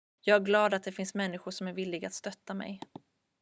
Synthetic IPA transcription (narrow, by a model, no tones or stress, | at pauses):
jɑːɡæɾɡlɑːd̪at̪̚d̪ɛfɪnsmɛnːɪɧʊʂɔmæɾvɪlːɪɡat̪st̪œt̪ːamɛ̰j